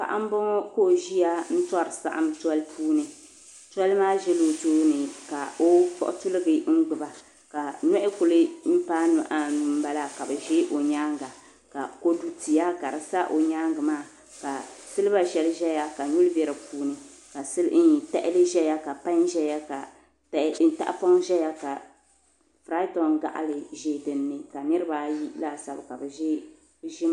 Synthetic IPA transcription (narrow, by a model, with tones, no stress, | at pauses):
pa̰˨ʔa˦m̩˦bɔ˦ko˦ʒi˦ja˦n̩˦tɔ˦ɾɨ˨sa̰˦ʔa̰˦m˦twɔ˦lpʰuː˦nɨ˨ | ta˦lmaː˦ʒɛ˦lo˨toː˦nɨ˨ka˨o˦fɔ̰˦ʔʊ̰˦tu˦lɨ˦ɡɨ˨ŋ͡m̩˦ɡ͡bɨ˨ba˨ | ka˨nɔ˦ʔɪ˦kʊ˨lɨ˦m̩˦pa˦nʊ˨ʔa˦nu˨m̩˦ba˦la˦ka˨bɨ˨ʒe˦ʔo˨ɲaː˦ŋɡa˨ | ka˨ko˦du˦ti˨ja˦ka˨ɾɨ˨sa˦ʔo˨ɲaː˦ŋɡɨ˨maː˦˨ | ka˨sɨ˦lba˦ʒɛ˦lɨ˦ʒɛ˦ja˦ka˨ɲu˦lbɛ˨ɾɨ˨puː˦nɨ˦ | ka˨sɨ˦lʔi˨tɛ̰˦ʔɪ˦lɨ˦ʒɛ˦ja˦ka˨pa˦nʒɛ˦ja˦ka˨ | tn˦ta̰˦ʔfɔ˦ŋʒɛ˦ja˦ka˨ | fɾa˦tɔ˨nɡa̰˨ʔlɨ˨ʒeː˦˨dɨ˨nːɨ˨ka˨nɨ˦ɾɨ˦baː˦ji˦la˦˨sa˦bka˨bɨ˨ʒe˦ | ʒɪ˦m